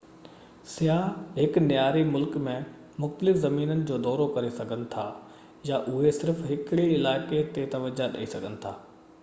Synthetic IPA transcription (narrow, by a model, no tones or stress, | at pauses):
sɪjaːɦɪknjaːɾimʊlkmẽ | mʊxt̪əlɪfzɐmiːnənɪ̆d͡ʑoːd̪ɔːɾokɐɾesɐɡʱənɪ̆t̪ʰa̰ː | jaʔʊɦesɪɾfɦɪkɪɽiɪlaːɪket̪et̪ɐʋəd͡ʑaɗɐ̰isɐɡʱənɪ̆t̪ʰaː